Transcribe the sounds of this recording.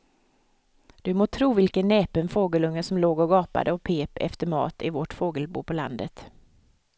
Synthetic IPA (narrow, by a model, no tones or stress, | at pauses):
d̪̥ɵmoːt̪ʰɾuːvɪlkənːeːpənfoːɡəlɵŋːəsɔmloːɡɔɡɑːpa̰d̪əɔpʰeːpɛ̰ft̪əɾmɑ̰ːt̪ɪvɔʈfoːɡəlbṵːpʰɔla̰nd̪ət̪